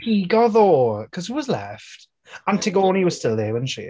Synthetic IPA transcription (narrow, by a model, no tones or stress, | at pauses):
hiɡɔðɔkʰɔz̥iwɒzlɛ̰ft | ə̃ntʰɪɡoːniwɒz̥stɪlˠðəwə̃nʃḭ